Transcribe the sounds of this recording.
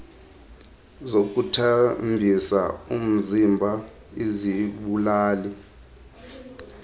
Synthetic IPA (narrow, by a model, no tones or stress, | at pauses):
zok̬ʼutʰambʱisa̰um̩zimbʱa | eziɓulaːli